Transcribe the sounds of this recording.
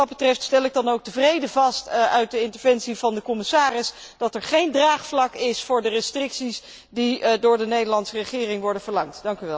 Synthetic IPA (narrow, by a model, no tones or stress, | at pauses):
ɑd̚bətrɛftstɛlɪɡ̚dɑnowk̚təvrejdəvɑstœɥt̚dəɪntəɹvɛnsivɑndəkɔmɪsaːrɪs | d̥ɑtɛɹχejndraːχflɑkɪsfʊːɹdərəstrɪksis | didʊːɹdənejdəɹlɑntsərəχɪːrɪŋʋɔɹdənvəɹlɑŋtd̥ɑŋkyʋɛlˠ